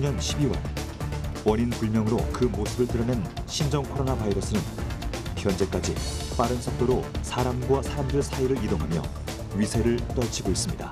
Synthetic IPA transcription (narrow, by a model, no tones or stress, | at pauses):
uɲʌnɕʰibiwʌ̰ɭ | wʌɲinpuɭmjʌŋɯɾokɯmosʰɯbɯɭtɯɾʌnenɕʰind͡ʑʌŋkʰoɾonabaiɾʌsʰɯnɯnpjʌnd͡ʑe̞k͈ad͡ʑip͈aɾɯnsʰʌk̚t͈oɾosʰaɾamɡwasʰaɾamdɯɾesʰaiɾɯɾidoŋɦamjʌ̰ | ɥisʰe̞ɾɯɭt͈ʌɭt͡ɕʰiɡois͈ɯmɲida